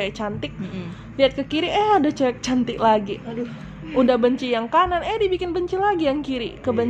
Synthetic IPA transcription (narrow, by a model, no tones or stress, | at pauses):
k̚t͡ʃant̪ɪk̚ | liat̪̚kəkiɾiʔɛadat͡ʃaɛk̚t͡ʃant̪ɪklaɡidu | udahbəɲt͡ʃijaŋkananɛdibikɪnbəɲt͡ʃilaɡijaŋkiɾḭkəbəɲ